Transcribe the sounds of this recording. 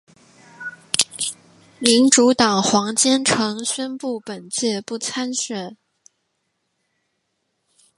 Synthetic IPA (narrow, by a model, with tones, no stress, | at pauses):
mi˧˥nʈ͡ʂu˧˥t̪ɑ˨˩ŋxwɑ˧˥ŋt͡ɕjɛ˥nʈ͡ʂʰɤ˧˥ŋɕɥɛ˥npu˥˩pə˨˩nt͡ɕjɛ˥˧pu˥˩t͡sʰa˥nɕɥɛ˨˩˦